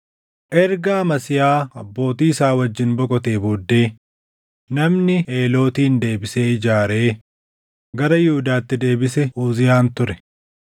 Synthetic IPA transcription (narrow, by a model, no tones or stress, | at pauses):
ʔɛɾɡaːmɐsɪjaːɐbːo̞ːt̪iːɪsaːwɐd͡ʒːɪnbɔkʼɔt̪e̞ːbod̪ːe̞ː | nɐmnɪeːlo̞ːt̪iːnd̪e̞ːbɪseːɪd͡ʒaːɾe̞ː | ɡɐɾɐjɪhʊd̪aːt̪ːɪd̪e̞ːbɪsɛuːzɪjaːnt̪ʊɾɛ